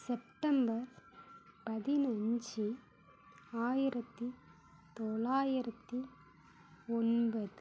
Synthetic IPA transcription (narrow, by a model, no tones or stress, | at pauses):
sɛp̚ʈɐmbɐɾ | pɐðɪnɐɲd͡ʒi | aːjɪɾɐt̪ːi | t̪ɔɭaːjɪɾɐt̪ːi | ɔnbɐðɯ